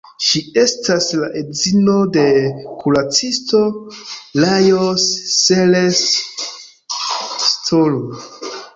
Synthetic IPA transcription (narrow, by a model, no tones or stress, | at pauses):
ʃie̞staslaʔezino̞de̞kulat͡sistolajosːeles | tʰolu